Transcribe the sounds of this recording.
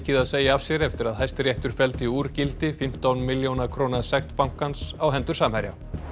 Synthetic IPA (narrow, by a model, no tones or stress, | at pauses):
cɪðaðseːjaav̥sjɛɾɛft̪ɪɾaðɦajst̪ɾjɛht̪ʏɾ̥fɛlt̪ɪuːɾcɪlt̪ɪfɪm̥t̪awnmɪljownakʰɾoːwnasɛxt̪pawŋ̥kansawɦɛnt̪ʏɾ̥saːmhaɾja̰